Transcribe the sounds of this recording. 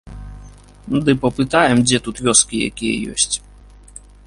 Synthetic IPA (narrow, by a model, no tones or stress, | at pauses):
d̪ɨpɐpɨt̪ajɛmd͡zʲɛt̪ut̪vʲɔskʲija̰kʲijɐ̰jɔ̰sʲt͡sʲ